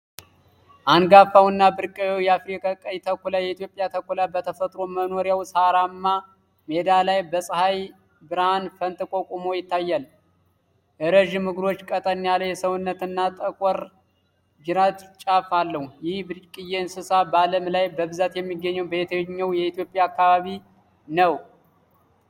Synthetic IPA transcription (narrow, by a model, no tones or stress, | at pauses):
ʔanɡafawɨnːabɨɾkʼəwewjɛafɾikʰʼakʼajt̪ʰəkʷʰulajɛit̪jo̞pʼjat̪ʰəkʷulabət̪ʰəfət̪ʼɾo̞məno̞ɾjawsaɾamːa | med̪alajbəsʼɨhaj | bɨɾanfənt̪ʼɨkʼo̞kʼumo̞jɪt̪ʰːajːal | ʔɨɾəʒmɨɡɾo̞t͡ʃːkʼət̪ʼənjaləjɛsəwnːət̪ɨnːat̪ʼəkʼɔɾ | d͡ʒɨɾat̪t͡ʃʼafalːəhujɪhbkʼɨjensɨsabəaləmlajbəβɨzat̪jɛmːiɡːəɲːɛwbəjɛt̪ʰəɲːəwjɛit̪jo̞pʼjaːkːaβaβi | nəw